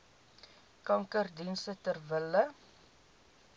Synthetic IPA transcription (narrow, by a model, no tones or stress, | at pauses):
kɐŋkərdinsətərvələ